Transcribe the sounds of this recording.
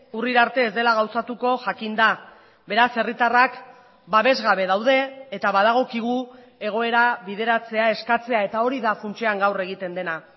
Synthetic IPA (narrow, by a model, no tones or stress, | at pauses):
uriɾaɾt̪e̞ːzd̪e̞laɣ̞awsat̪uko̞ʝakind̪a | be̞ɾase̞rit̪arak | baβe̞zɣaβe̞ðawðe̞ːt̪aβaðaɣ̞o̞kiɣ̞u | e̞ɣ̞o̞e̞ɾaβiðe̞ɾat͡se̞ae̞skat͡se̞ae̞t̪ao̞ɾiðafunt͡seaŋɡawre̞ɣ̞it̪e̞nd̪e̞na